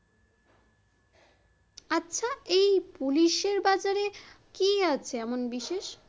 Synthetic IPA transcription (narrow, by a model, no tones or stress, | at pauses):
aːɕʰaejpuliʃeɾbad͡ʑaɾe | kiat͡ɕʰeɛmonbiʃeʃ